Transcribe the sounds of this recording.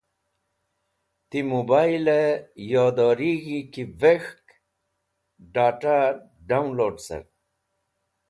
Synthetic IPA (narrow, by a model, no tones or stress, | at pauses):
t̪imubajlejɑːd̪ɑːɾiɣikivexk | ɖaːʈaɾ | ɖawnloːɖsa̰ɾ